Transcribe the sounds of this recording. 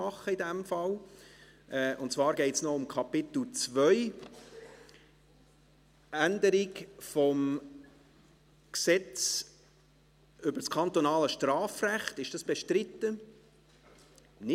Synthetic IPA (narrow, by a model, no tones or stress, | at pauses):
ɑχəɪdɛmfɑl | ʔɛʊntt͡svɑːɾɡɛɪtsnɔʊmkʰɑpɪt̪l̩t͡svœʏ | ʔænd̪əɾɪkfɔm | ksɛt͡s | ʏbəɾskʰɑnt̪ɔnɑːləʃtrɑːfræχtɪʃd̥ɑsb̥ɛʃtrɪt̪ːə | nɪ